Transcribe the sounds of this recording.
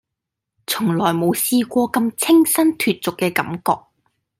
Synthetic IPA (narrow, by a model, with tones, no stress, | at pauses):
t͡sʰʊ˨˩ŋlɔː˨˩jmo˨˧wsiː˧kʷɔː˧kɐ˧mt͡sʰɪ˥ŋsɐ˥nt̪ʰyː˨t̚t͡sʊ˨kːɛː˧kɐ̰˨˥mkɔː˧k̚